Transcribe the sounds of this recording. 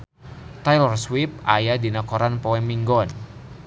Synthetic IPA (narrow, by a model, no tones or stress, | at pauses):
t̪ajlɔrswip̚ajadinakɔɾanpɔɛmiŋɡɔn